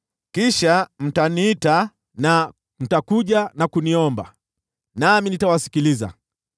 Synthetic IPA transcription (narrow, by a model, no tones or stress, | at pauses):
kiʃam̩taniːta | na | m̩takuʄanakuniɔmba̰ | naminitawasi̥kiliza̰